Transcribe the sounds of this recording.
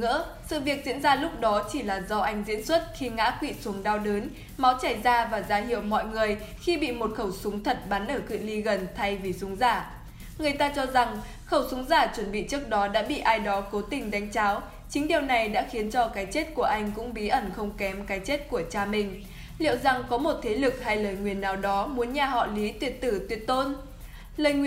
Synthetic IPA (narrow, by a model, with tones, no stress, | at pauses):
ɨ̰˧˥ə | sɨ̰˧˨vi˨˩ək̚zḭ˧˥ənzaː˧lʊ˦˥k͡p̚ɗɔ˨˦t͡ɕi˧˩laː˨˩zɔ˧ʔa˧jŋ̟zḭ˧˥ənswə˦˥t̚xi˧ŋa̰ː˧˥kwḭ˧˨su˨˦ŋɗaː˧wɗəː˨˦n | ma˨˦wt͡ɕaː˧˩jzaː˧vaː˨˩zaː˨˦ɦḭ˧˨əwmɔ̰˧˨jŋɨ˨˩əj | xi˧ɓḭ˧˨mo˨˩t̚xə˧˩wsʊ˨˦ŋ͡mt̪ʰə˨˩t̚ɓa˨˦nʔəː˧˩kɨ̰˧˨li˧ɣə˨˩nt̪ʰa˧jvi˨˩sʊ˨˦ŋ͡mzaː˧˩ | ŋɨ˨˩əjt̪aː˧t͡ɕɔ˧za˨˩ŋ | xə˧˩wsʊ˨˦ŋ͡mzaː˧˩t͡ɕwə˧˩nɓḭ˧˨t͡ɕɨ˦˥ək̚ɗɔ˨˦ɗa̰ː˧˥ɓḭ˧˨ʔaː˧jɗɔ˨˦ko˨˦t̪ï˨˩ŋ̟ɗa˨˦jŋ̟t͡ɕaː˨˦w | t͡ɕï˨˦ŋ̟ɗi˨˩əwna˨˩jɗa̰ː˧˥xi˨˦ənt͡ɕɔ˧kaː˨˦jt͡ɕe˦˥t̚ku˧˩əʔa˧jŋ̟kʊ̰˧˥ŋ͡mɓi˨˦ʔə˧˩nxə˧wŋ͡mkɛ˨˦mkaː˨˦jt͡ɕe˦˥t̚ku˧˩ət͡ɕaː˧mï˨˩ŋ̟ | lḭ˧˨əwza˨˩ŋkɔ˨˦mo˨˩t̚t̪ʰe˨˦lɨ˨˩k̚ha˧jləː˨˩jŋwi˨˩ənːaː˨˩wɗɔ˨˦mu˨˦ənɲaː˨˩ɦɔ̰˧˨li˨˦t̪wi˨˩ət̚t̪ɨ˧˩t̪wi˨˩ət̚t̪o˧n | ləː˨˩jŋwi˧˨